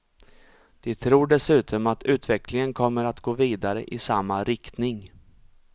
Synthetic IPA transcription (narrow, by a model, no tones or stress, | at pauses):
d̪̥ɛt̪ʰɾuːɖɛsʉ̟ːt̪ʰɔmat̪ʉ̟ːt̪vɛklɪŋənkʰɔmːəɾat̪ɡoːviːd̪aɾə̰ʔɪsamːaɾɪkt̪nɪŋ